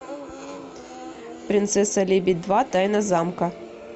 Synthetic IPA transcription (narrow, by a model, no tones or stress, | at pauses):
pɾʲɪnt̪sɛsɐlʲebʲɪd̪̚ʲd̪vat̪ajnɐzamkɐ